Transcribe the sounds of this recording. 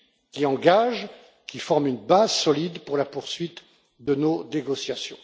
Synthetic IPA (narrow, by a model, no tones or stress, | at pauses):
kʲiɑ̃ɡaʒ | kʲifɔʁmynbazsɔlid̪puʁlapuʁsɥit̪ | d̪ənoneɡɔsjasjɔ̃